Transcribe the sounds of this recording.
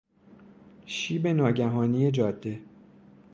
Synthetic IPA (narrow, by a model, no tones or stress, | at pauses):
ʃiːbe̞nɒːɟæɦɒːnije̞d͡ʒɒːd̪ːe̞